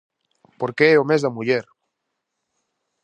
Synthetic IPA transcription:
poɾkeɛomezðamuʎeɾ

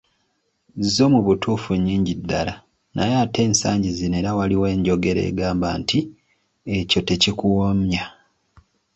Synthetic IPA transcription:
zo̞muβutuːfuɲːiːɲɟidːa̰la | nʔa̰jate̞ːnsaːɲɟizine̞ɾawaliwe̞ːɲɟo̞ɡe̞ɾḛːɡaːmbantʰi | e̞co̞te̞cikuwomja

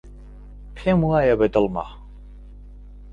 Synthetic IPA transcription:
pʰɛmuajabɛd̪əlma̰

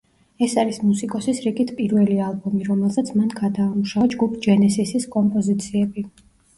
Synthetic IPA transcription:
ɛsaɾismusikʼɔsisɾiɡit̪ʰpʼiɾvɛlialˠbɔmiɾɔmɛlˠsat̪sʰmanɡad̪aːmuʃad͡ʒɡupʰd͡ʒɛnɛsisiskʼɔmpʼɔzit̪sʰiɛbi

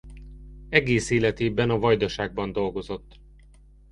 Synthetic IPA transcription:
ɛɡeːseːlɛt̪eːbɛnɒvɒjd̪ɒʃaːɡ̚bɒnd̪o̞lɡo̞zo̞t̪ː

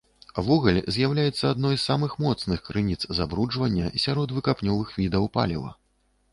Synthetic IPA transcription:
avɔɣɐlʲzʲjawlʲajɛt̪sːɐad̪nɔjssamɨxmɔt̪snɨxkɾɨnʲit̪szabɾud͡ʐvɐnʲːɐ̰sʲaɾɔd̪vɨkapnʲɔvɨxvʲid̪ɐwpa̰lʲɛvɐ̰

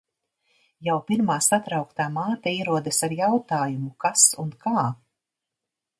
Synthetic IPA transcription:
jawpiɾmaːsat̪ɾawkt̪aːmaːt̪aiɛɾuɔd̪asaɾjawt̪aːjumukasunkʰaː

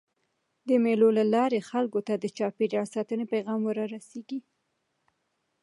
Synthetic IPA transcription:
d̪əmelolalɑɾexalkot̪ad̪ət͡ʃɑpeɾɑɽsɑt̪ənepajɣɑmwəɾɑɾaseɡi

